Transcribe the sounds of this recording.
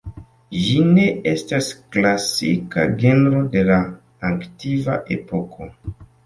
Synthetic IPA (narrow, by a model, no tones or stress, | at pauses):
d͡ʒine̞e̞stasklasḭka̰ɡe̞ndɾo̞de̞laː | ktivaʔe̞po̞kʰo̞